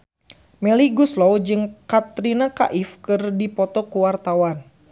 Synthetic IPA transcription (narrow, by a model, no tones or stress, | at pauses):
mɛliɡuslɔwd͡ʒɨŋkat̪ɾinaka̰ʔifkɨrdipɔt̪ɔkuwart̪awan